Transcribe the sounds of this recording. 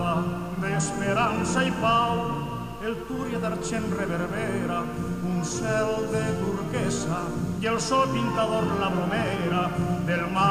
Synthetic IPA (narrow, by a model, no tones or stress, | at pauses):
a | d̪espeɾansajpaw | elt̪uɾjaðaɾt͡ʃenreβeɾβɛɾa | unsɛld̪ed̪uɾkɛsa | jelsɔpint̪aðɔɾlaβomɛ | ɾaðelma